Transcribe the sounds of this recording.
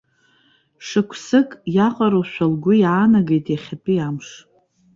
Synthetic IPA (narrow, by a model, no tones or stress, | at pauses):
ʂɨkʷʰsɨkʼjaqʼaɾowʃʷᶣalɡʷʊjaːnaɡejtʼjaχʲapʼiamʂ